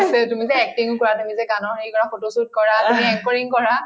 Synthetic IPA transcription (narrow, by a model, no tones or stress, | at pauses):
setumizɛːk̚tiŋʊkɔɹatumizɛkanɔxejkɔɹafotosut̚kɔɹaumiɛk̚pɔɹiŋkɔɹa